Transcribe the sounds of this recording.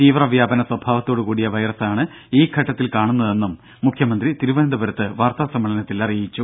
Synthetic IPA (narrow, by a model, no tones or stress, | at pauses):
t̪iːʋrɐʋjaːbɐnɐswɐbʱaːʋɐt̪ːo̞ːɽukuːɽijɐʋɐjrɐsaːɳɨ | iːkʰɐʈːɐt̪ːilkaːɳunːɐðe̞nːumː | ukʰjɐmɐnd̪rit̪iɾuʋɐnɐnd̪ɐbɐɾɐt̪ːɨʋaːrt̪aːsɐmːɐɭɐnɐt̪ːilɐrijit͡ɕːu